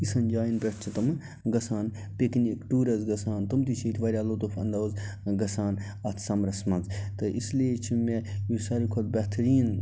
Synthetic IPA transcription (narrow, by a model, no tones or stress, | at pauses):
isɐnd͡ʒaːjinbʲɐʈʰt͡ʃʰit̪ɐmɨ | ɡɐsaːn | peknikʈuːɾɐzɡɐsaːnt̪ɐmt̪it͡ʃʰiːt̪ʰʲʋɐɾʲaːlot̪ofɐ̰nd̪ɐzɡɐsaːn | ɐt̪ʰsɐmɾɐsmɐnzt̪ɨʔisliet͡ʃʰimejisɐɾikʰol̚bʲɛɦt̪ʰɐɾiːn